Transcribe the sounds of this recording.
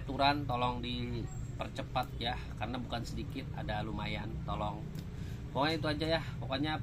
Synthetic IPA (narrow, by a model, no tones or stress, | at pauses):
t̪uɾant̪olɔŋdipərt͡ʃəpat̪̚jahkarnabukansədikɪt̪̚a̰dalumajant̪olɔŋ | poŋait̪uad͡ʒajahpokoɲa